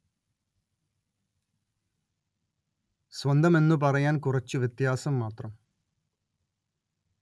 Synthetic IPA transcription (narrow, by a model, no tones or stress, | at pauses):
sʋɐnd̪ɐme̞nːɨp̬ɐrɐjaːnkurɐt͡ɕːɨʋjɐt̪jaːsɐmːaːt̪rɐm